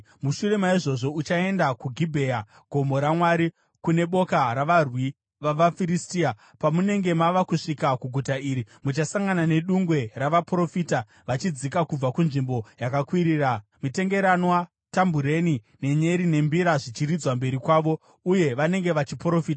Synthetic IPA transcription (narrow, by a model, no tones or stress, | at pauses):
muʃure̞maiʐo̞ʐo̞ut͡ʃae̞ndakuɡʱibʱe̞ja | ɡ̥ʱo̞mo̞ɾamwaɾi | kune̞ɓo̞kaɾaʋarwi | ʋaʋafiɾistia | pamune̞ŋɡe̞maʋakuʂikakuɡʱutaiːɾimut͡ʃasaŋɡanane̞ɗuŋɡwe̞raʋapro̞fita | ʋat͡ʃid͡zikakub͡vakunʐimbo̞jakakwiɾiːramite̞ŋɡe̞ɾanwa | tambuɾe̞ni | ne̞ɲe̞ɾine̞mbiɾaʐit͡ʃirid͡zwambe̞ɾikwaːʋo̞ | uje̞ʋane̞ŋɡe̞ʋat͡ʃipro̞fiːta